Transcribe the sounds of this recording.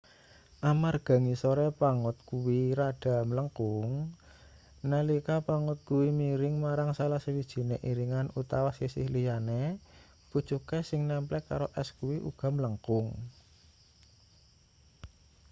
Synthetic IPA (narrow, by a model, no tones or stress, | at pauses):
ʔamarɡ̥a̤ŋisoɾɛpaŋʊt̪̚kuwiɾaɖ̥a̤mələŋkʊŋ | nəlikapaŋʊt̪̚kuwimiɾɪŋmaɾaŋsalahsəwid̥ʒ̥i̤neʔiɾiŋanut̪awasisɪhlijane | pud̥t͡ʃukesɪŋnɛmplɛkːa̰ɾoʔɛskuwiʔṵɡ̥a̤mləŋkʊŋ